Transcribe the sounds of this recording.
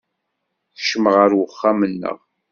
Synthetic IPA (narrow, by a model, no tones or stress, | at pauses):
θə̥ʃməʁəɾwəχːamənːə̰ʁ